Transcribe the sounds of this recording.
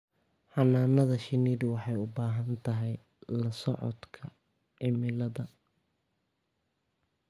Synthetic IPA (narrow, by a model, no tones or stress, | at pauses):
ħɑnːaːnɐðɐʃɪniːdwɑħɑjʊbaːɦɐnt̪ʰɐɦɛj | lɐsɔ̰ʕɔ̰d̪kʰɐ | ʕɪmɪlɐðɐ